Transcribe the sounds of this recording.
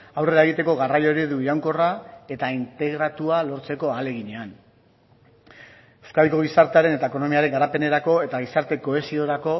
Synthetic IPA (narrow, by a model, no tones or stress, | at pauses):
awre̞ɾae̞ɣ̞it̪e̞ko̞ɣarajo̞ɾiðuiɾawŋko̞rae̞t̪aint̪e̞ɣɾat̪ualo̞ɾt͡se̞ko̞ale̞ɣiɲe̞an | ewskaðikoɣ̞isaɾt̪e̞aɾe̞ne̞t̪aeko̞no̞miaɾe̞ŋɡaɾape̞ne̞ɾako̞e̞t̪aɣ̞isaɾt̪e̞ko̞e̞sio̞ɾako̞